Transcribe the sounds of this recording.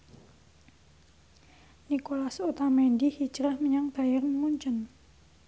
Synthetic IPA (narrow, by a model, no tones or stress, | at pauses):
nikolasot̪amendihit͡ʃɾahməɲaŋb̥a̤jərnmuɲt͡ʃən